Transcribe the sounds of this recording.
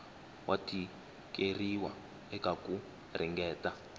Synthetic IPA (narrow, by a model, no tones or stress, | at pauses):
wʔatʰi | keriwa̰ | ɛkaku | riŋɡɛːta